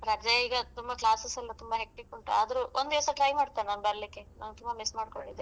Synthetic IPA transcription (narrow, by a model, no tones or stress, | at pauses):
ɾɐd͡ʒɐiɡɐt̪umbɐklaːsesɐlːɐt̪umbɐɦek̚ʈikuɳʈuaːd̪ɐɾuʔond̪iʋɐsɐʈɾɐjmaːɖt̪aːnanbɐɾɐlikːe̞nɐ̰nɡt̪ʰumbɐmismaːɖkoɳɖid̪e